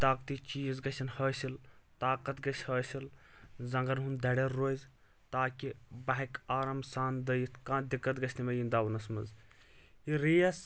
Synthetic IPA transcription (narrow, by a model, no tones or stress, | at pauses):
t̪aːkt̪it͡ʃiːzɡɐʃɐnhɐːsilt̪aːkɐt̪ɡɐʃʲhəːsilzɐŋɡɐnɦund̪ɐɽeɾːoz | t̪aːkibɐɦɐkaːɾɐmsaːnd̪ɐjit̪kãːnd̪ikːɐt̪ɡɐʃʰʲnimɐjind̪aːʋɐnɐsmɐz | iɾijɐs